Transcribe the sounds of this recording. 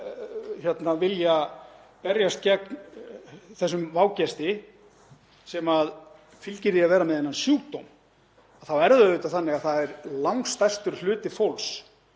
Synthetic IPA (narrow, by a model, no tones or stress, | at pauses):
çɛt̪navɪljapɛɾjast̪̚cɛkn | θɛsːʏmvaːwcɛst̪ɪ | sɛmað | fɪlcɪɾðiavɛːɾamɛðejnːansjuːt̪o̰wm | aðθawɛɾðʏʏːt̪aθanːɪɣaðθaðɛɾlawŋst̪ajst̪ʏɾ̥l̥ʏːt̪ɪfowls